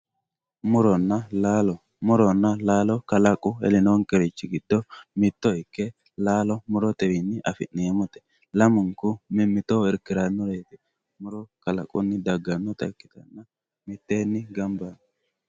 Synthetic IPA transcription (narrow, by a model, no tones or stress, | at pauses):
mʊɾɔnːɐlaːlɔ | mʊɾɔnːɐlaːlɔkɐlɐkʼʊɛ̰lɪnoŋkʼɛɾɪt͡ʃːɪɡɪd̪ːɔmɪt̪ːɔɪkːɛ | laːlɔmʊɾɔt̪ʼɛwɪnːɪʔɐfɪ̰nneːmʊt̪ɛ̥ | lɐmʊŋkʊmɪmːɪt̪oːɪɾkɪɾɐnːʊɾeːt̪ɪ | mʊɾɔkɐlɐ̰kʼʊnːɪd̪ɐɡːɐnːɔt̪ɐkːɪ̥t̪ɐnːɐ | mɪt̪ːeːnːɪɡɐmbɐn